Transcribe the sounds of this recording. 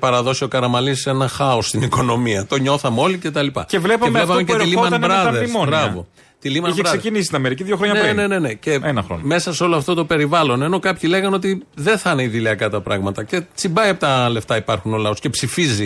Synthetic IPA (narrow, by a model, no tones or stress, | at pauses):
pɐɾɐðo̞siokɐɾɐmɐlise̞nɐxɐosːt̪iniko̞no̞miɐt̪o̞ɲo̞θɐmeo̞lice̞t̪ɐlipɐ̰cevlepɐemvlepɐmeceilimɐnbɾɐðeɾmbɾɐvo̞ | t̪ilimɐiçeɾkɐsecinist̪inɐmeɾiciðjoxɾoɲɐnɾine̞ne̞nece̞enɐxɾo̰nme̞sɐseo̞loɐft̪o̞t̪o̞pe̞ɾivɐlo̞ne̞no̞kɐpçile̞ɣɐnot̪iðe̞θɐneiðiliɐkɐt̪ɐpɾɐ̰ɣmɐt̪ɐce̞t͡simbɐiɐpot̪ɐle̞ft̪ɐipɐɾxunolɐo̞sce̞psifizi